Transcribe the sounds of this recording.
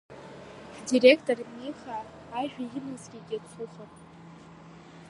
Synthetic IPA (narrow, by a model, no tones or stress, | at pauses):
direkʰtʼormiχaː | ʒᶣajɪnɨzɡʲiɡʲat͡sʰuχapʼ